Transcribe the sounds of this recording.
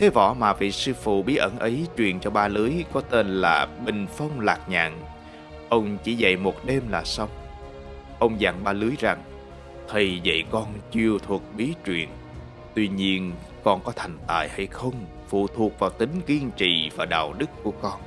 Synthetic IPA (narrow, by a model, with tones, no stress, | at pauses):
t̪ʰe˨˦vɔ̰˧˩˥maː˨˩vḭ˧˨sɨ˧fṵ˧˨ɓi˨˦ʔə˧˩nʔə˨˦jt͡ɕwḭ˨˩ənt͡ɕɔ˧ɓaː˧lɨ˨˦əjkɔ˨˦t̪e˧nlaː˨˩ɓï˨˩ŋ̟fə˧wŋ͡mlaː˨˩k̚ɲa̰ː˧˨ŋ | ʔə˧wŋ͡mt͡ɕḭ˧˩za̰˧˨jmo˨˩t̚ɗe˧mlaː˨˩sə˧wŋ͡m | ʔə˧wŋ͡mzaː˧˩ŋɓaː˧lɨ˨˦jza˨˩ŋ | t̪ʰə˨˩jvə̰˧˨jkɔ˧nt͡ɕi˧əwt̪ʰu˨˩ək̚ɓi˨˦t͡ɕwḭ˨˩ən | t̪wi˧ɲi˧ən | kɔ˧nkɔ˨˦t̪ʰa˨˩jŋ̟t̪a̰ː˧˨jha˧jxə˧wŋ͡m | fṵ˧˨t̪ʰu˨˩ək̚vaː˨˩wt̪ï˨˦ŋ̟ɣi˧ənt͡ɕḭ˧˨vaː˨˩ɗa̰ː˧˨wɗɨ˦˥kːu˧˩əkɔ˧n